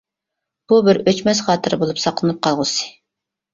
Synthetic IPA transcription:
b̥ubɪɾøt͡ʃmɛsχɑːt̪ʰɨɾbolˠupsɑqlˠɨnɨp̚qʰɑlˠʁʊsɨ̥

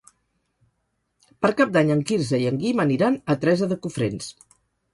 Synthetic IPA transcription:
pəɾkap̚d̪aɲəŋkiɾzəiəŋɡiməniɾanət̪ɾɛzəðəkufɾens

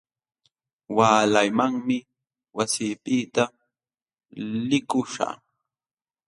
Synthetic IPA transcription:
waːlajmaŋmɪ | wasiːpɪt̪a | lɪkʊʂa̰

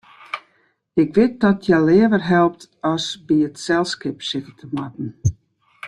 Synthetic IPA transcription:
ɪkʋɪt̚dɔtʰjɛlɪːəʋərɦɛlˠp̚tɔsbiətsɛlˠskɪpsɪkətʰəmwatn̩

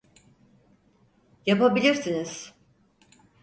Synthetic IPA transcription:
japabilʲiɾsiniz̥

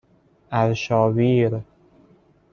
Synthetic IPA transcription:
ʔæɾʃɒːviːɾ

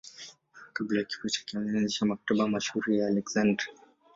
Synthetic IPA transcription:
kablajaki̥fɔt͡ʃḁkiɔŋanzit͡ʃamak̚taɓajamaʃhuɾijaːlɛkz̥andɾa

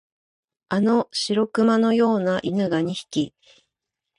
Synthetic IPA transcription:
ano̞ɕiɾo̞kɯ̟mano̞jo̞ːnaʔinɯ̟ɡaɲ̟içi̥kʲi

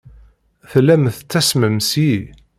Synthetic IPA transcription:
θlːæmθət͡sːæsməmsi

